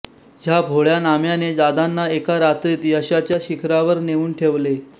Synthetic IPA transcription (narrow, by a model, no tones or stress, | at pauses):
ɦjabʱoɭjanamjaned͡zad̪anːaekaɾat̪ɾit̪iəɕat͡ɕjaɕikʰɾaʋəɾneʋuːnʈʰeʋle